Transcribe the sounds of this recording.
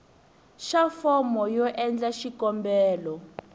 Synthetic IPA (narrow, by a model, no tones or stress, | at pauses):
ʃafɔmɔjɔʔɛnd͡ɮaʃikɔmbɛːlɔ